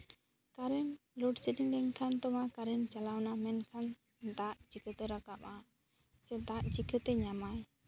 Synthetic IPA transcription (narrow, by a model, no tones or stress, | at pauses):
kaɾɛnluɖsidiŋɖɛŋkʰant̪ɔmakaɾɛnt͡ʃalawnamɛnkʰan | t̪aʔt͡ʃikʰət̪ɛɾakapa | sɛd̪aʔt͡ʃikʰət̪ɛɲamaj